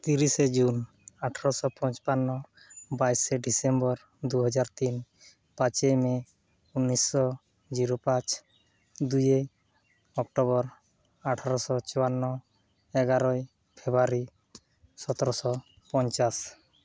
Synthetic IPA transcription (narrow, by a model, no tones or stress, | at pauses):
t̪iɾised͡ʒun | aʈʰaɾɔsɔpɔnt͡ʃpanːɔ | bajseɖisembɔɾ | d̪uɦɔd͡ʒaɾt̪in | pat͡ʃejme | unːisːɔ | d͡ʒiɾopãt͡ʃ | d̪uje | ɔk̚ʈɔβɔɾ | aʈʰaɾɔsɔt͡ʃɔanːɔ | eɡaɾɔj | pʰebaɾi | sɔt̪ɔɾɔsɔ | pɔnt͡ʃas